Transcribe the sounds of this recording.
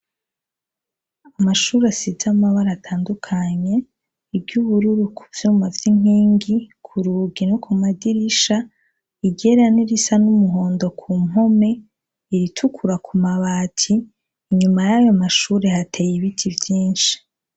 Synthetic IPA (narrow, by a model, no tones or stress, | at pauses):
amaʃuːɾasizamaβaɾaːtʰaːndukʰaɲe̞ | ibɟuβuɾuɾukʰuvjuːmavjiŋ̥iːŋɡikʰuɾuːɡinokʰumadiɾiʃa | iɟe̞ɾaniɾisanumuɦo̞ːndo̞kʰumo̞me̞ | iɾitʰukʰuɾakʰumaβaːtʰiː | ɲumajajomaʃuːɾe̞hatʰe̞jiβitʰivjiːnʃi̥